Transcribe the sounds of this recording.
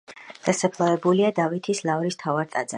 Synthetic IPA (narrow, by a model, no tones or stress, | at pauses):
d̪̥asapʰlˠavɛbuliad̪avit̪ʰislˠavɾist̪ʰavaɾt̪ʼa̰d̪za